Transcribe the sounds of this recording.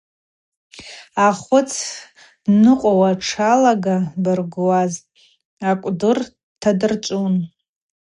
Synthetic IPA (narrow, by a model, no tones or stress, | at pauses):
aχʷʊt͡sʰ | nɨqʷʼawaʈ͡ʂʰalaɡabɨrɡwaz | akʷʼdɨr | tʰadɨrt͡ʃʷʼun